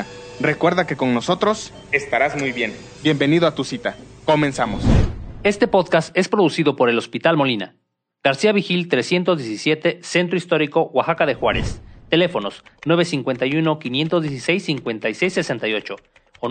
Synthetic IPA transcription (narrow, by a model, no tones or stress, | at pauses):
rekwe̞ɾðake̞ko̞ŋno̞so̞t̪ɾo̞s | est̪aɾazmujβje̞n | bje̞mbe̞niðoat̪usit̪ako̞mẽ̞nsamose̞st̪e̞po̞ðkast̪e̞spɾo̞ðusiðo̞po̞ɾe̞lospit̪almo̞lina̰ | ɡ̥aɾsiaβixilt̪ɾe̞sje̞nt̪ozðjesisje̞t̪ese̞nt̪ɾoist̪o̞ɾiko̞ɣwaxakaðe̞xwaɾe̞̰st̪e̞le̞fo̞no̞snwe̞β̞e̞siŋkwe̞nt̪ajuno̞kinje̞nt̪o̞zðjes̬ise̞jsːiŋkwe̞nt̪ajse̞jsːe̞se̞nt̪ajo̞t͡ʃo̞